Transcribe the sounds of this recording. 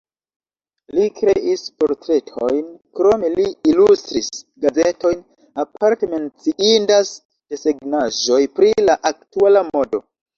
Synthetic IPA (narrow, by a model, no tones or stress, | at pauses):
likɾe̞ʔispo̞ɾtɾe̞tʰo̞jnkɾo̞me̞liilustɾisɡazeto̞jn | apʰaɾte̞me̞nt͡siʔindas | d̥eseɡnaʒo̞jpɾilaʔak̚tualamo̞do̞̰